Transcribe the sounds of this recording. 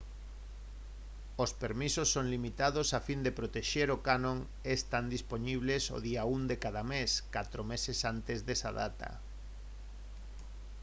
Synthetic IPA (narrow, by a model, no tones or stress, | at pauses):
ospeɾmisosːoŋlimit̪aðosafind̪epɾot̪eʃeɾokanõŋ | est̪and̪isponiβ̞leso̰ðiaund̪ekaðameskat̪ɾomesesant̪ezðesa̰ða̰t̪ɐ̰